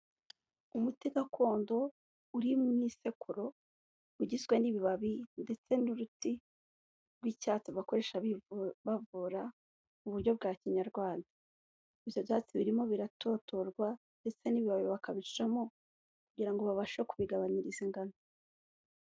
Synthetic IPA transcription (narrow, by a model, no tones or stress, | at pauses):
umutiɡakʰo̞ːndo̞ | uɾimŋiːse̞kuɾo̞ | uɟizɡwe̞niβiβaβinde̞t͡se̞nuɾuti | ɾɡwicaːt͡siβako̞ɾe̞ʃaββavuɾa | muβuɾɟo̞bɡaːciɲaɾɡwaːndḁ | iβjo̞vjaːt͡siβiɾimo̞βiɾato̞ːto̞ɾɡwa | nde̞t͡se̞niβiβaβiβakaβiɾiɾamo̞ | kuɟiɾaŋɡo̞βaβaʃokuβiɡaβaɲiɾiziŋɡano